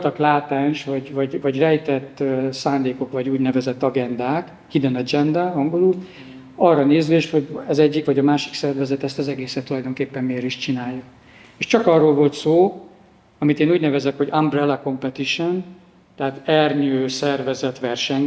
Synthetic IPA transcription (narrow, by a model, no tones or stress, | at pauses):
lt̪ɒklaːt̪aːnʃvɒɟvɒɟvɒɟrɛjt̪ɛt̪ːsaːnd̪eːko̞kvɒɟuːɟnɛvɛzɛt̪ːɒɡɛnd̪aːk | hid̪ɛnɒd͡ʒɛnd̪ɛɒŋɡo̞luːl | ɒrːɒneːzyeʃho̞ɟɛzɛɟːikʋɒɟɒmaːʃiksɛrvɛzɛt̪ɛst̪ɒzɛɡeːsɛt̪ːulɒjd̪o̞ŋkeːpːɛmːeːɾiʃt͡ʃinaːjːu | eːʃt͡ʃɒkɒrːolvo̞lt̪soː | ɒmit̪eːnuːɟnɛvɛzɛkho̞ɟɒmbrɛlɒko̞mpɛt̪iʃon | t̪ɛaːt̪ɛrɲøːsɛrvɛzɛt̪ʋɛrʃɛɲ